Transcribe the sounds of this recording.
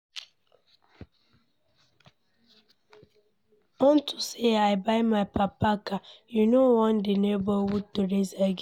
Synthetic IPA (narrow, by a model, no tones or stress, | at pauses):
ɔntuseaɪbaɪmaɪpapakajunowɔ̃ndenebɔwutoɾezaɡ